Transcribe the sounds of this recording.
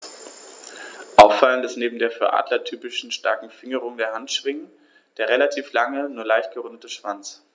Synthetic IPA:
ʔaʊfaləntɛstneːbm̩deːɐfyːɐʔa̰ːdlɐtʰyːpɪʃn̩ʃta̰ɐkŋ̩fɪŋəʁʊŋdeːɐɦantʃv̥ɪŋən | d̥eːɐʁelatʰiːflaŋənuːɐlaɪçt̚ɡ̥əʁʊndətəʃv̥ant͡s

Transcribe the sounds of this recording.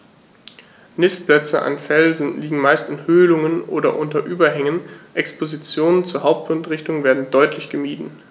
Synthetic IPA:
nɪstplɛt͡sə̰ʔa̰nfɛlzn̩liːɡŋ̩maɪstɪnhøːlʊŋənʔo̰ːdɐʔʊntɐʔyːbɐɦɛŋənʔɛkspʰozit͡sjoːnənt͡suːɐɦaʊp̚tfʊntʁɪçtʊŋveːɐdn̩dɔʏtʰlɪçɡ̥əmiːdn̩

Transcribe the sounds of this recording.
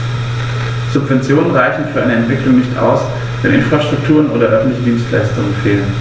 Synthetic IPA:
z̥ʊpv̥ɛnt͡sjoːnənʁaɪçn̩fyːɐaɪnəɛntv̥ɪklʊŋnɪçtʔa̰ʊs | vɛnʔɪnfʁ̥aʃtʁ̥ʊk̚tʰuːʁənʔo̰ːdɐʔœfn̩tlɪçədiːnstla̰ɪstʊŋənfeːlən

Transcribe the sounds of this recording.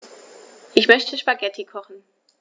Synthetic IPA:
ʔɪçmœçtəʃpaɡɛtʰikʰɔχn̩

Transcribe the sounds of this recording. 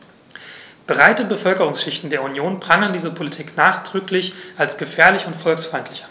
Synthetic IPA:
b̥ʁaɪtəbəfœlkəʁʊŋsʃɪçtn̩deːɐunjoːnbʁaŋəndiːzɐpʰolitʰiːknaːχd̥ʁ̥ʏklɪçʔalsɡ̥əfɛːɐlɪçʊntfɔlksfʁaɪntlɪçan

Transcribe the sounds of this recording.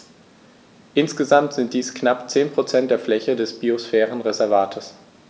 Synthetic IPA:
ʔɪnsɡ̥əzamtz̥ɪnt̚d̥iːsknapt͡seːnpʁ̥ot͡sɛnt̚d̥eːɐflɛçədɛsb̥iosfɛːʁənʁezɛɐvaːtʰəs

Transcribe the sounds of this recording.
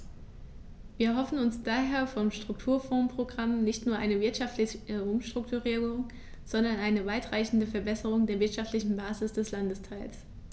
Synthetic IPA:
viːɐɦɔfn̩ʊnsd̥aːɦeːɐfɔmʃtʁ̥ʊk̚tʰuːɐfɔːpʁ̥oɡʁamnɪçtnuːɐʔaɪnəvɪɐtʃaftlɪçəʊmʃtʁ̥ʊk̚tuʁiːʊŋ | z̥ɔndɐnʔaɪnəvaɪtʁ̥aɪçn̩dəfɛɐbɛsəʁ̞ʊŋdeːɐvɪɐtʃaftlɪçn̩baːzɪsd̥ɛslandəstʰaɪls

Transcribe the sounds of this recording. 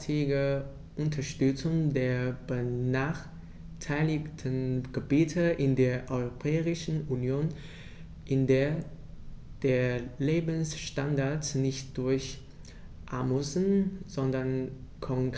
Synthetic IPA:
tʰɪɡə | ʔʊntʰɐʃtʏt͡sʊŋdeːɐb̥ənaːχ | tʰaɪlɪktʰənɡ̥əbiːtʰəʔɪndeːɐʔɔʏʁopʰɛːʁɪʃn̩unjoːn | ʔɪndeːɐ | d̥eːɐleːbn̩sʃtandaɐtsnɪçt̚d̥ʊɐç | ʔamusn̩z̥ɔndɐn | kʰɔŋk

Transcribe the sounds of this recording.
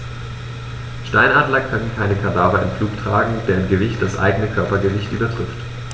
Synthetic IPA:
ʃtaɪnaːdlɐkʰœnnkʰaɪnəkʰaɐdaːvɐʔɪ̰nfluːktʁ̥a̰ːɡŋ̩d̥eːɐɪmɡəvɪçtd̥asʔa̰ɪɡənəkʰœɐpɐɡəvɪçtʔyːbɐtʁ̥ɪft

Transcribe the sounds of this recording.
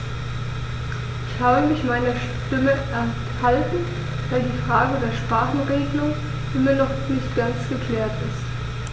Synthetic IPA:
ʔɪçhaːbəmɪçmaɪnɐʃ | tɪməʔɛɐ | haltn̩ | v̥aɪldiːfʁ̥aːɡədeːɐʃpʁ̥aːχn̩ʁeːɡəlʊŋ | ʔɪmiɐnɔχnɪçt̚ɡ̥ant͡sɡ̥əkl̥ɛːɐtɪst

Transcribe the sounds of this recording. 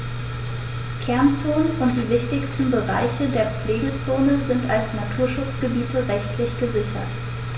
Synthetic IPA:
kʰɛɐnt͡soːnənʔʊnt̚d̥iːvɪçtɪçstn̩bəʁaɪçədeːɐp͡fleːɡət͡soːnəzɪntalsnatʰuːɐʃʊt͡sɡ̥əbiːtəʁɛçtʰlɪçɡ̥əzɪçɐ̰t

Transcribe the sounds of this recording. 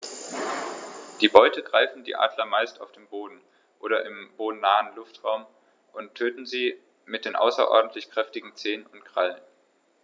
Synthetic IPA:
d̥iːbɔʏtəɡʁaɪfn̩dḭːʔa̰ːdlɐmaɪstaʊfd̥eːmboːdn̩ | ʔoːɾɐʔɪmb̥oːdn̩nːaːənlʊftʁ̥aʊm | ʔʊntʰːøːtn̩ziː | mɪt̚d̥eːnʔa̰ʊsɐ̰ʔɔ̰ɐdn̩tʰlɪçkʁ̥ɛftɪɡŋ̩t͡seːənʊntɡ̥ʁ̥alən

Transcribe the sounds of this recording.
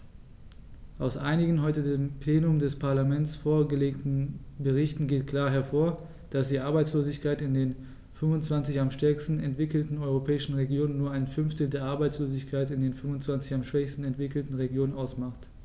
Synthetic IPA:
ʔaʊsʔa̰ɪnɪɡŋ̩ɦɔʏtədeːmpleːnʊmdɛspʰaɐlamɛnt͡sfoːɐɡəleːktn̩bəʁ̞ɪçtn̩ɡeːtkʰl̥aːɐɦɛɐfoːɐ | d̥asd̥iːʔaɐbaɪt͡sloːzɪçkʰaɪtɪndeːn | fʏmvʊnt͡sv̥ant͡sɪçamʃtɛɐkstn̩ɛntv̥ɪkl̩tn̩ɔʏʁ̞opʰɛːɪʃn̩ʁeɡjoːnənːuːɐaɪnfʏnftəl̩deːɐʔaɐbaɪt͡sloːzɪçkʰaɪtɪndeːnfʏmvʊnt͡sv̥ant͡sɪçamʃv̥ɛçstn̩ɛntv̥ɪkl̩tn̩ʁeɡjoːnənʔaʊsmaχt

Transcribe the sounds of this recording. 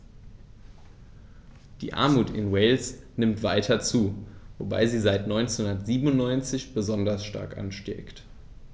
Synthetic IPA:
d̥ḭːʔa̰ɐmuːtɪ̰nweɪlsnɪmtv̥aɪtʰɐt͡suːvo̰ba̰ɪziːzaɪtnɔʏnt͡senhʊnɐtz̥iːbnʊntnɔʏnt͡sɪçb̥əzɔndɐsʃta̰ɐkʔa̰nʃtɛ̰ːkt

